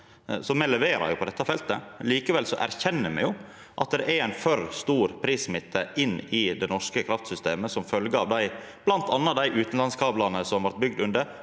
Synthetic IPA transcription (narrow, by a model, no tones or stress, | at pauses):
sɔmɛlɛʋeːɾɑ̰ɾjʊpʰɔd̪ɛt̪ːɑfɛlt̪əliːkəʋɛlsɔʔæ̰ɾçɛnːəmɛ̰jʊ | ʔɑ̰t̪̚d̪ɛʔɛɾæɪnfœɾst̪uːɾpʰɾiːsmɪt̪ʰːəʔɪnːɪd̪ɛnɔʂkəkʰɾɑft̪sʏst̪eːməsɔmfœlɡəɑʋd̪æɪ | b̥lɑnt̪ʰɑnːɑd̪æɪʔʉːt̪n̩lɑnskʰɑːblɑnəsɔmʋɑɾt̪̚bʏɡ̚d̪ʉnd̪ə